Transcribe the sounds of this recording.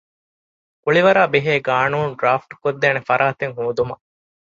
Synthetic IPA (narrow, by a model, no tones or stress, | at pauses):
kuɭiʋɐɾaːbeɦeːɡaːnuːnɖɾaːfʈkod̪ːeːnefɐɾʔaːt̪eŋɦuːd̪umɐ